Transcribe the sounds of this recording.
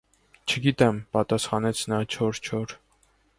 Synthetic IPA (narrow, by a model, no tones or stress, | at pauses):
t͡ʃʰəɡit̪ɛmpɑt̪ɑsχɑnɛt͡sʰnɑt͡ʃʰɔɾt͡ʃʰɔɾ